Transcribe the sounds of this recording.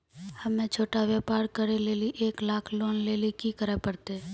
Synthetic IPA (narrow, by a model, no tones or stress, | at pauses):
həmːẽt͡ʃʰoːʈaʋjepaːɾkəɾeleːliʔeːklaːkʰloːnleːlikikəɾepəɾt̪eː